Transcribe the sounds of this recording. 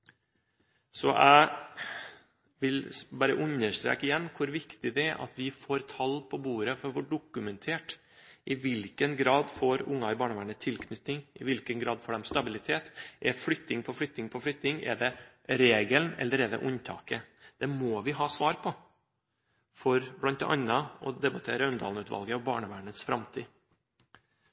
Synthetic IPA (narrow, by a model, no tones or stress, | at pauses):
sɔʔæ̰ɪ | ʋɪlbɑːɾəʔʉɲːəʂt̪ɾḛːkəjɛnːkʰʊɾʋɪkt̪ɪd̪ɛɛɾʔɑ̰t̪ʋɪfoːɾt̪ʰɑlpʰɔbuːɾəfɔɾʋɔːɖʊkʉmɛnt̪ʰeːʈ | ʔɪʋɪlkənɡɾɑːd̪foːɾʊŋːɑɪbɑːɳəʋæɳət̪ʰɪlkʰnʏt̪ɪŋɪʋɪlkənɡɾɑːd̪foːɖɛmst̪ɑbɪlɪt̪ʰeːt̪ʔɛflʏt̪ːɪŋpʰɔflʏt̪ːɪŋpʰɔflʏt̪ɪŋɛ̰ɖɛ | ɾeːɡəlnɛ̰lːəɾɛd̪ɛ̰ʔʊnt̪ʰɑ̰ːkəd̪̥ɛmɔːʋɪɦɑːsʋɑːɾpʰɔ | fɔɾblɑnt̪ɛ̰ʔɑ̰nːɑɔd̪ɛbɑt̪ʰeːɾəœnd̪ɑ̰lnʉːt̪ʋɑ̰lɡəɔbɑ̰ːɳəʋæːɳəsfɾɑmt̪ʰiː